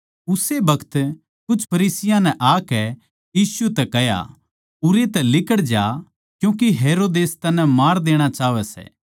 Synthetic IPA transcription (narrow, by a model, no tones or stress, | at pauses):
ʊsebɐkʰə̥t̪ | kʊt͡ʃʰpʰɐɾiːsɪjãnɛ̃ʔaːkɛ | jiːsuɛt̪ɛkɛɦja̰ | ʊɾet̪ɛlɪkəɽd͡ʒa | kjũːk̬iɦeːɾoːd̪eːst̪ɐnːɛmaːɾd̪eːɽ̃at͡ʃaːʋɛsɛ̰ː